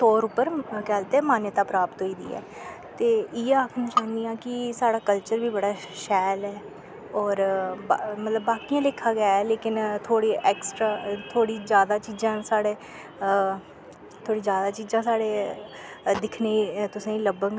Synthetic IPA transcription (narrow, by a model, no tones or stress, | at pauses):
t̪oːɾʊpːəɾkɛːlt̪ɛːmaːnət̪aːpɾaːpət̪ɦoːiːd̪ḭːɛ̰ː | t̪eːɪːaːkʰnĩːt͡ʃãːnd̪ijãːkɪsaːɽaːkəlt͡ʃəɾbiːbəɽaː | ʃɛːlɛː | ɔːɾ | mət̪ləbːaːkijãːlɪkʰːaːɡaːɛːleːkɪnt̪ʰoːɽiːʔɛːksʈɾaːt̪ʰoːɽiːzjaːd̪aːt͡ʃiːzãːsaːɽeː | t̪ʰoːɽiːzjaːd̪aːt͡ʃiːzãːsaːɽeː | d̪ɪkʰneːt̪ʊsãːĩləbəŋɡ